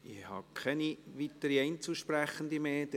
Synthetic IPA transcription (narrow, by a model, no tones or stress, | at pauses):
ɪhɑ̰kʰɛniʋit̪əɾiɛɪnt͡suʃpræχənd̪imeːd̥̪